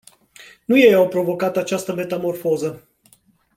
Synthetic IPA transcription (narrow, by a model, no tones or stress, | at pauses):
nuje̞awpɾo̞vo̞kat̪at͡ʃast̪əme̞t̪amo̞rfo̞zə